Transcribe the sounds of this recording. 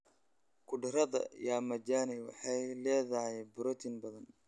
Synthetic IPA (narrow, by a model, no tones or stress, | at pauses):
kʰʊɖɪɾɐðɐ̰jaːmɐd͡ʒaːnɪwɑ̰ħɑjlɛːðɐɦɛjbʊɾɔt̪ʰɪnbɐðɐn